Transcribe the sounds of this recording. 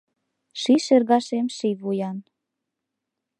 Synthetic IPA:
ʃiʃĕrɣɑʃemʃivujɑn

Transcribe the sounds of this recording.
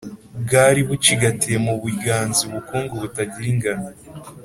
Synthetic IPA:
bɡaːɾiβuciɡatiemuβuiɡaːnziuβukuːŋɡoβutaɟiɾiŋɡano

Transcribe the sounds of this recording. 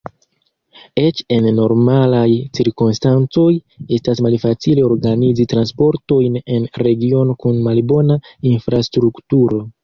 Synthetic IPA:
e̞t͡ʃe̞nːo̞ɾmalajt͡siɾkumstant͡so̞j | e̞stasmalfat͡sileo̞ɾɡanizitɾanspo̞ɾto̞jne̞nɾe̞ɡio̞no̞kunmalbo̞nainfɾastɾuktuɾo̞

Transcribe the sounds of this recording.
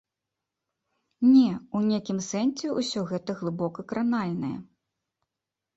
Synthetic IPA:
nʲɛunʲekʲimsɛnsʲɛusʲɔɣɛt̪ɐɣlˠɨbɔkɐkɾanalʲnɐjɐ̰

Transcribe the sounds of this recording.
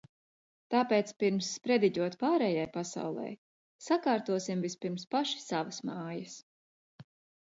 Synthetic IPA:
t̪aːpeːt̪spiɾmsːpɾɛd̪iɟʲuɔt̪paːɾɛːjajpasa̰wlˠɛ̰j | sakaːɾt̪uɔsimvispiɾmspaʃi̥savɐsmaːjɐs

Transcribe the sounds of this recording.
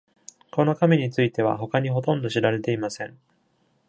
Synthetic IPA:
ko̞no̞kameɲ̟it͡sɨit̪e̞β̞a̰ɦo̞kaɲ̟iɦo̞t̪õ̞nd̪o̞ɕiɾaɾe̞t̪e̞imasẽ̞ŋ

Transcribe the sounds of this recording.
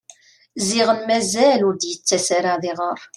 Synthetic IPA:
zɪʁənmæzælʊɾd̪jət͡sːæsaɾaðɪʁəɾˤ

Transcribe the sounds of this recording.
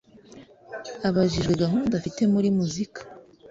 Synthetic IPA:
aβaʒiʒɡe̞ɡaɦuːndafite̞muɾimuzikḁ

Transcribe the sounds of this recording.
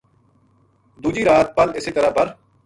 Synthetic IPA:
d̪uːd͡ʒiːɾaːt̪̚pəlɪsiːt̪əɾaːbɐɾ

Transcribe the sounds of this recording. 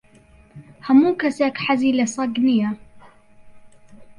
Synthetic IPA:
hamuːkasakħazilasˤɑɡnɪja

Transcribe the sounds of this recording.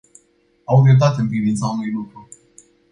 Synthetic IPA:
awvɾew̚t̪at̪̬eɨnpɾivint̪saunujlukɾu

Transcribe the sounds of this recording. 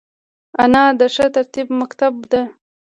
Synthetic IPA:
anɑd̪əʂət̪aɾt̪ibmakt̪abd̪e

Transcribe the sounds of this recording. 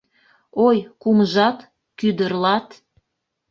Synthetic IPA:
ojkumʒɑt̪ | kyd̪ərlɑt̪

